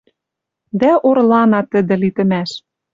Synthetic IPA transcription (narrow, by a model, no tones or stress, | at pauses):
d̪æʔorlɑnɑt̪ə̆d̪ɘ̆lit̪ɘ̆mæʃ